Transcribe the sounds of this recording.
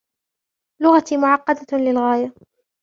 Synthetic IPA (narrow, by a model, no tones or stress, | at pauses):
lʊɣat̪mʊʕɑqːɑd̪alɪlɣaːja